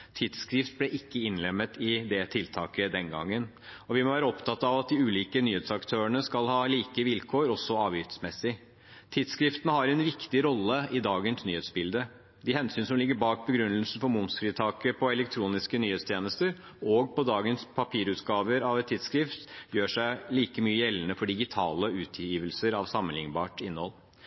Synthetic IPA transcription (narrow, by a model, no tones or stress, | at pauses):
t̪ʰɪd̪skɾɪft̪̚blɛʔɪkːəɪnlɛmːət̪ɪd̪ɛt̪ʰɪlt̪ʰɑːkəd̪ɛnɡɑ̰ŋːən | ɔʋɪmɔʋæːɾəɔpt̪ʰɑt̪ːɑɑʋɑt̪̚d̪ɪʉːliːkənyːheːt̪sɑkt̪ʰøːəɳəskɑlhɑːliːkəʋɪlkʰoːɾɔsːɔɑːʋjʏt̪smɛsːɪ | t̪ʰɪd̪skɾɪft̪ənəhɑɾɛnʋɪkt̪ɪɾɔlːəɪd̪ɑːɡənsnyːheːt̪sbɪld̪ə | d̪ɪhɛnsyːnsɔmlɪɡːəɾbɑːk̚bəɡɾʉnːəlsn̩fɔɾmʊmsfɾiːt̪ʰɑːkəpʰɔɛlɛk̚t̪ʰɾuːnɪskənyːheːt̪st̪ʰjeːnəst̪əɾ | ɔɡpʰɔd̪ɑːɡənspʰɑpʰiːɾʉːt̪ɡɑːʋəɾɑʋɛt̪ʰːɪːd̪skɾɪft̪jøːʂæɪliːkəmyːəjɛlːənəfɔɖɪɡɪt̪ʰɑːləʉːt̪ʰjiːʋəlsəɾɑʋsɑmːənlɪŋbɑ̰ːʈɪnːhɔ̰l